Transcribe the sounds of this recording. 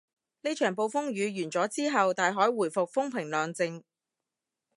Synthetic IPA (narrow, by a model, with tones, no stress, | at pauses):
ne˥t͡ʃʰœː˨˩ŋpo˧wfʊ˥ŋɥyː˨˧ɥyː˨˩nt͡sɔː˨˥t͡siː˥ɦɐ˨wt̪aː˨jɦɔː˨˥jwuː˨˩jfʊ˨k̚fʊ˥ŋpʰɪ˨˩ŋlœː˨ŋt͡sɪ˧ŋ